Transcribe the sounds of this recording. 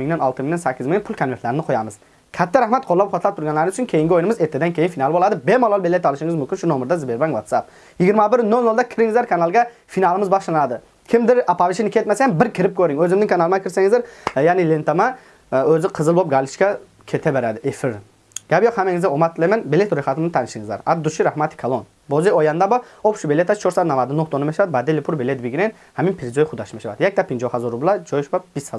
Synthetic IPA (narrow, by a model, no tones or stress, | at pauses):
ɪŋd̪anɑlˠt̪ɨmɪŋd̪ansækʲːɪzmɪŋnɪpʰʊlˠkʰanvet̪laɾɪnɪqʰojamɪz̥ | kʲʰat̪ʰːaɾahmat̪̚qʰolˠːap̚χot̪lap̚t̪ʰʊɾɡʲanlaɾnɪʊt͡ʃʰʊnkʲʰejɪŋɡʲɪojnɪmɪzeɾt̪ʰːɪd̪ankʲʰejɪnfinalˠɪbolˠad̪ɪbemɑlˠɑlˠbelet̪ɑlˠɪʃɪŋɪzmʊmkʲɪnʃʊnomɪɾd̪azɪbeɾbaŋwat̪sap̚ | jɪɡʲɪɾmabɪɾnolˠnolˠd̪akʲʰɪɾɪŋɪzlaɾkʰanalˠɡʲa | finalˠɪmɪzbɑʁʃanad̪ɪ | kʲʰɪmd̪ɪɾapavɪʃinɪkʰʲet̪masajambɪɾkʲʰɪɾɪp̚kʲʰɵɾɪŋɵzɪmzɪŋkʰanalˠɪmakʲʰɪɾsaŋɪzd̪eɾjaːnɪlent̪ama | øzɪqʰɨzɨlˠbop̚ɡalˠɪʃkʲa | kʲʰet̪ʰɛbeɾad̪ɪʔefɪɾ | ɡ̥ʲabjoqhamaŋɪzɡʲaomat̪ʰːɨlˠemanbelet̪ɾojχat̪ʰɪmnɪt̪ʰanɪʃɪŋɪzla̰ɾad̪ːuʃiɾahmat̪ʰɪ̥kʰalˠon | boziojand̪abɔopʃubelet̪ʰast͡ʃʰoɾsad̪namad̪ɪnoht̪onɪmeʃɾad̪ɪbad̪elːɪpʰuɾbelet̪biɡʲiɾen | haminpʰiɾzojχʊd̪aʃmeʃvad̪jak̚ʲt̪ʰapːinʲd͡ʒohazɔɾublˠad͡ʒojʃbab̥ishaz